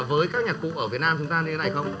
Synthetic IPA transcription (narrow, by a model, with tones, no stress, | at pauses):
vəː˨˦jkaː˦˥k̚ɲaː˨˩kṵ˧˨ʔəː˧˩vət̚naː˧mt͡ɕʊ˨˦ŋ͡mt̪aː˧ɲɨ˧t̪e˨˦na˧˩jxə˧wŋ͡m